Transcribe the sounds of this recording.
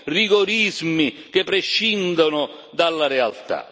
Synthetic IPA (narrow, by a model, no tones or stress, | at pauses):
riɡoɾizmik̟epːɾeʃːind̪onʊ | d̪alːaɾɛalt̪a̰